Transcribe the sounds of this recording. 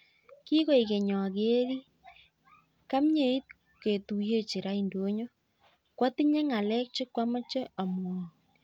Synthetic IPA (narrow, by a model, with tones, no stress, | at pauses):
ki˦ɣo˦˨i˨ke˨ɲɔ˨a˨ɣe˦ɾi˦ | ka˦mɲe˨i˦t̚ | ke˨tu˨je˦t͡ʃi˨ɾa˦indo˨˦ɲo˦ | kwa˦ti˦ɲe˦ŋa˨lɛ˦k̚t͡ʃe˦kwa˦ma˦t͡ʃɛ˦a˨m˨o˨